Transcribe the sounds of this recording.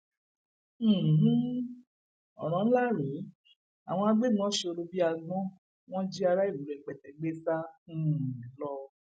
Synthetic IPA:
ɦ̩˦ | ɔ̰˨ɾ̃ã˨˦la˦˨ɾe˨˦ | a̰˨w̃ɔ̃˧a˧ɡ͡be˦˨mũ˦ɔ̃˦ʃe˧o˧ɾo˧bi˦a˧ɡ͡bɔ̃˦ | w̃ɔ̃˦d͡ʒi˦a˧ɾa˦i˦˨lu˨ɾɛ˨k͡pɛ˨tɛ˨ɡ͡be˦sã˦˨˦ | lɔ˧

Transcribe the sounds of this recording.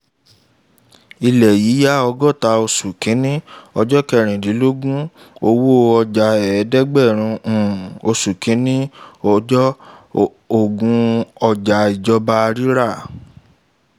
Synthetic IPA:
i˧lɛ˨ji˨˦ja˦ɔ˧ɡɔ˦˨ta˧o˧su˨kĩ˨˦nĩ˦ɔ˧d͡ʒɔ˦kɛ˧˨ɾ̃ĩ˨di˨˦lo˦ɡũ˦ | o˧wo˦˧ɔ˧d͡ʒa˨ɛ˨˦dɛ˦ɡ͡bɛ˦˨ɾ̃ũ˧˨o˧su˨kĩ˨˦nĩ˦˧d͡ʒɔ˦ | o˦˨ɡũ˧ɔ˧d͡ʒa˨i˨d͡ʒɔ˦ba˦˧ɾi˦ɾa˦˨

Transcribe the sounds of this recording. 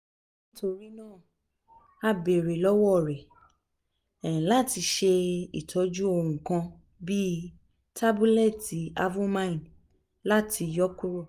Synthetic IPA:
nĩ˦to˧ɾi˦nãː˦˨ | a˧be˨ɾe˨lɔ˦wɔ˦˨ɾɛ˨ | la˦˨ti˧ʃe˧ḭ˨tʰɔ˨˦d͡ʒu˦o˧w̃ũ˨kã˧ | bi˦ | tʰa˦bu˦lɛ˦˨ti˨˦a˧vu˦mã˦ĩ˨n | la˦tʰi˧jɔ˦ku˦ɾo˦˨

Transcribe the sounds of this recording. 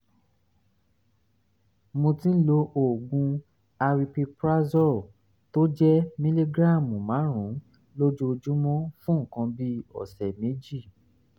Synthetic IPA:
mõ˧tĩ˦lo˧ʔo˨ɡũ˧ | a˧ɾi˧pi˧pɾa˦zɔ˦˨ | to˦d͡ʒɛ˦mĩ˦li˦ɡɾa˦˨mũ˨mã˨˦ɾ̃ũ˨˦ | lo˦d͡ʒu˦o˧d͡ʒu˦mɔ̃˦fũ˦ŋ̩˨kã˧bi˦ɔ̰˨sɛ˨me˨˦d͡ʒi˦˨

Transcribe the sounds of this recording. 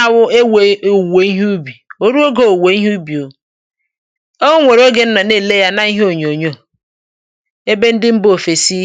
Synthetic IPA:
a˨wʊ˦e˦we˨we˨i˦ɦbi˨o˦ɾu˦o˦ɡo˦o˨we˨i˦ɦbi˨o˨ | o˦ŋʷe˨ɾo˦ɡe˦n̩˦nɔ˨ne˦˨le˦ja˦na˦i˦ɦe˦o˨ɲ˨o˨ɲo˦˨ | e˦be˦n̩˦dɪ˦m̩˦bo˦˨fe˨si˦

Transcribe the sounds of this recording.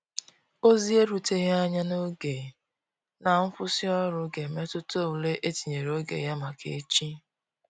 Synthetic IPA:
o˦zi˦e˦ɾu˨te˦ɣe˦a˦ɲa˦no˦ɡe˨ | na˨m̩˦fʊ˦si˦ɔ˦ɾʊ˨ɡe˨me˦tʊ˦to˦˨u˨le˦ʔe˦ti˨ɲe˨ɾo˦ɡḛ˨ja˦ma˨kʰḛ˨˦t͡ʃi˦

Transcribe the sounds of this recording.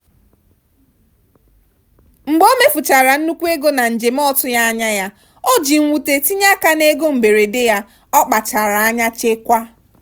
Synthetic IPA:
ŋ͡m̩˨ɡ͡bo˦me˦fʊ˨t͡ʃa˨ɾa˨n̩˦nu˦kʷu˦e˦ɡo˦na˨n̩˨d͡ʒe˨m̩˦ɔ˦tʊ˦ja˦a˦ɲa˦ja˦ | o˦d͡ʒi˨ŋ̩˨wʷu˨te˨ti˦ɲa˦ka˦ne˦ɡo˦m̩˨be˨ɾe˨de˦ja˦ | ɔ˦k͡pa˨t͡ʃa˨ɾa˨a˦ɲa˦t͡ʃe˦kʷa˦

